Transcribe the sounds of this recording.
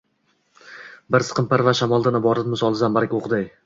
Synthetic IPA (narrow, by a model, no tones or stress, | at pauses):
bɪɾsɨ̥qʰɨmpaɾvaʃamɒlˠd̪anɪbɒɾat̪mɪsɒlˠɪzambaɾakʲoqʰd̪aj